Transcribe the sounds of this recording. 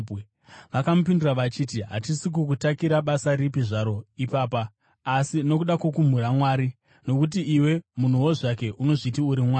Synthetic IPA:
ʋakamup̬indiraʋat͡ʃiːtiɦa̰tisik̬uk̬utakiɾaɓasaɾipiʐaɾo̞ipaːpaː | sino̞kuɗakwokum̤uɾamwaːɾi | no̞kut̬iiwe̞mun̤uwo̞ʐak̬e̞ʔuno̞ʐit̬iuɾimwaː

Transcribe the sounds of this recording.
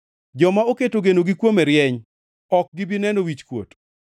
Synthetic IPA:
d͡ʒɔmaoketoɡenoɡɪkwomɛɾjɛɲ | ɔk̚ɡɪbɪnɛnowit͡ʃkwo̰t

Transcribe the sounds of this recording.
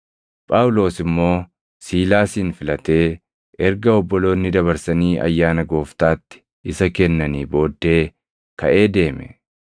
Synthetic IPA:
pʼaːwʊlo̞ːsɪmːo̞ː | siːlaːsiːnfɪlɐt̪e̞ː | ʔɛɾɡɐɔbːɔlo̞ːnːɪd̪ɐβɐɾsɐniːʔɐ̰jːaːnɐɡo̞ːft̪aːt̪ːɪ̥ | ɪsɐkɛnːɐniːbo̞ːd̪ːe̞ː | kɐʔe̞ːd̪e̞ːmɛ̥

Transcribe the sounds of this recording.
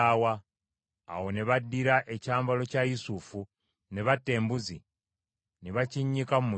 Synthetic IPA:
awa̰ː | wo̞neβadːiɾaʔe̞caːmbalo̞cajusufu | neβatːe̞ːmbuzḭ | niβaciɲːikamumu

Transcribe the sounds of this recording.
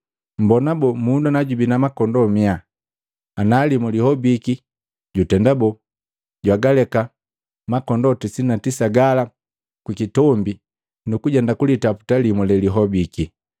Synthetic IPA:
m̩bɔnabɔmundanaɟubinamakɔndɔmia | analimulihɔbiki | ɟutɛndabɔ | ɟwaɡalɛka | makɔndɔtisinatisaɡala | kwikitɔmbi | nukuɟɛndakulitapu̥talimulɛliɦɔbiki

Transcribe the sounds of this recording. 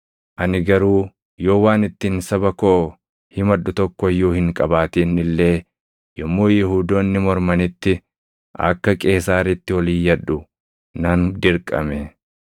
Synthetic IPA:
ʔɐnɪɡɐɾuː | jo̞ːwaːnɪt̪ːɪnsɐbɐkoʔ | hɪmɐᶑʊt̪ɔkːɔjːuːhɪŋkʼɐbaːt̪iːnɪlːe̞ː | jɔmːoːjɪhuːd̪o̞ːnːɪmɔɾmɐnɪt̪ːɪ | ʔɐ̰kːɐkʼe̞ːsaːɾɪt̪ːɪwɐliːjːɐᶑːʊ | nɐnd̪ɪɾkʼɐ̰mɛ

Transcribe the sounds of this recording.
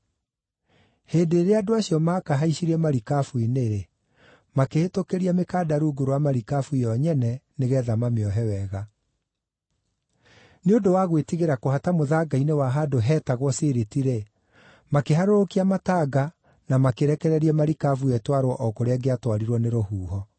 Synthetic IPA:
heːndeːɾeadoaɕiɔmakaɦaiɕiɾiɛmaɾikafuineɾe | makehetokeɾiamekaːdaɾuːɡoɾowamaɾikafuijɔɲɛnɛneɣɛːðamameɔɦɛwɛɣa | neondowaɣwetiɣeɾakohatamoðaɡainewaɦadoɦɛːtaɣwɔseɾetiɾe | makeɦaɾoɾokiamataɡa | namakeɾɛkɛɾɛɾiɛmaɾikafuɛtwaɾwɔʔɔkoɾɛɡeatwaɾiɾwɔneɾohuːhɔ

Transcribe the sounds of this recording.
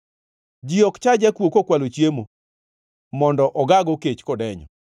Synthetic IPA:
d͡ʒiɔkt͡ʃad͡ʒakwokokwalot͡ʃjemo | mɔndɔʔɔɡaɡɔket͡ʃkɔdɛɲɔ̰

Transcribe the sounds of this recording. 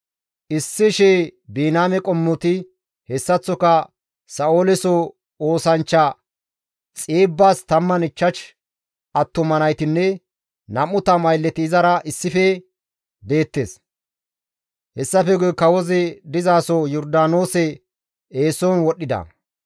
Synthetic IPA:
ʔɪsːɪʃeːbiːnaːmɛkʼɔmːʊt̪ɪ | hɛsːɐt͡sːɔkɐ | sɐoːlɛsɔ | o̞ːsɐnt͡ʃːɐ | t͡sʼeːbːaːst̪ɐmːɐnɪt͡ʃːɐʃ | ʔɐt̪ːʊmɐnɐjt̪ɪnːɛ | nɐmʊt̪ɐmɐjlːɛt̪ɪːzɐɾɐʔɪsːɪfɛ | be̞ːt̪ːes | hɛsːɐfɛɡɔjkɐwɔzɛd̪ɪzaːsɔjɔɾd̪aːnoːsɛ | eːsoːnwɔɗːɪd̪ɐ̰

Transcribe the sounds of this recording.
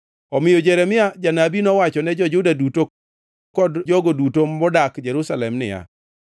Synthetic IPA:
ɔmɪjod͡ʒɛɾɛmɪad͡ʒanabinɔwat͡ʃɔnɛd͡ʒɔd͡ʒʊdaduto | kɔdd͡ʒɔɡodutomɔdakd͡ʒɛɾusalɛmnɪ̰ja̰

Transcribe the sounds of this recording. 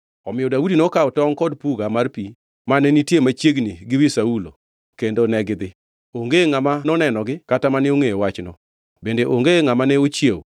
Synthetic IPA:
ɔmɪjɔdaudinɔkaɔtɔŋkɔdpuɡamarpi | manɛnitjemat͡ʃjeɡniɡɪwisaulo̰ | kendonɛɡɪd̪ɪ | oŋɡeŋamanɔnɛnɔɡɪkatamanɛoŋejowat͡ʃnɔ | bendeʔoŋɡeŋamanɛot͡ʃjew

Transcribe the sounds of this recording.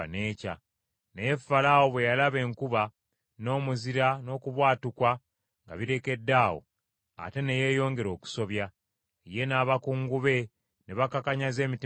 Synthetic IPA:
ne̞ːca | nejefːalawo̞βwe̞jalaβe̞ːŋkuβa | no̞ːmuziɾano̞ːkuβwaːtukwa | ŋɡa̰βiɾe̞ke̞dːaːwo̰ | a̰te̞ne̞je̞ːjo̞ːŋɡe̞ɾo̞ːku̥so̞βja | eje̞naːβakuːŋɡuβe̞ | neβakakaɲaze̞ːmiti

